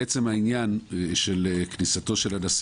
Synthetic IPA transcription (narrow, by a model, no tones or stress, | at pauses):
et͡semhainjanʃeleknisato̞ʃe̞ladas